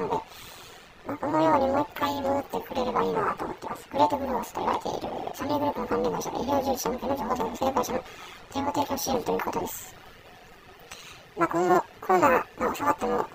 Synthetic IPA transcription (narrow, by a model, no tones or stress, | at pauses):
nod̪e̞ | mako̞no̞jo̞ːɲ̟imoikːainɯɯt̪ːe̞kɯ̟ɾe̞ɾɯ̟baiːnoa̰t̪o̰ːmo̰t̪ːe̞ma̰sɨ̥kɯ̟ɾe̞ːt̪oɡɯɾoose̥t̪a̰ɾa̰et̪ḛḭɾɯ̰saneŋɡɯɾɯːpːɯnokãmːẽːnaɕa̰ɡa̰ḭɾʲjoːʑɨːd͡ʑi̥anokenod͡ʑoːɦoːseɡoseɾebaɕanoɡ̪ẽmːbot̪e̞ːkʲioɕiẽnt̪o̞jɯːko̞t̪o̞d̪esɨ̥ | makonokʰonod̪amaosakat̪ːemo̰